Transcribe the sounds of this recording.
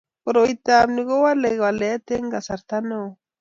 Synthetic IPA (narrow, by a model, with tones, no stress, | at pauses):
oɾo˨it̪a˨mniɣo˦wa˦le˨ɣwa˨lea˦t̪e˦ŋɡa˨sa˨ɾt̪a˦no˨